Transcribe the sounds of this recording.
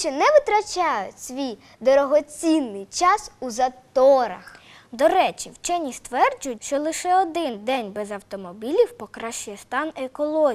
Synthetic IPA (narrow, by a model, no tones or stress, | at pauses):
t͡ʃɛnɛʋɪt̪ɾɐt͡ʃɑjʊtʲsʲʋʲij | d̪ɔɾɔɦɔt͡sʲinːɪjt͡ʃɑsuzɐt̪ɔɾɐ̰x | d̪ɔɾɛt͡ʃiwt͡ʃɛnʲist̪ʋɛrd͡ʒʊjʊtʲʃt͡ʃɔlˠɪʃɛɔd̪ɪnd̪ɛnʲbɛzɐwt̪ɔmɔbʲilʲiwpɔkɾɑʃt͡ʃʊjɛst̪ɑnekɔlˠɔ